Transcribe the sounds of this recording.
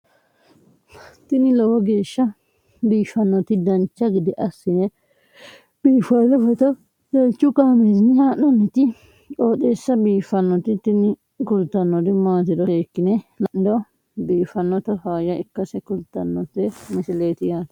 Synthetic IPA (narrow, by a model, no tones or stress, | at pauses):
t̪ɪnɪlɔwɔɡe̞ːʃːɐ | biːfɐnːɔt̪ɪd̪ɐnt͡ʃːɐɡɪd̪ɪʔɐsːɪnɛ | b̥iːfɐlɔfɛt̪ɔ | d̪ɐlt͡ʃːʊkaːmezɪnɪhaːnːɔnːɛt̪ɪ | koːt̪eːsːɐbiːfɐnːɔt̪ɪt̪ɪnɪ | kʊlt̪ːɐnːɔd̪ɪmaːt̪ɪd̪ɔeːkːɪnɛlɐnɪd̪ɔ | biːfɐnːɔt̪ɐhaːjɐɪkːɐsɛkʊlt̪ːɐnːɔt̪ːɛmɪsɪleːt̪ɪjaːt̪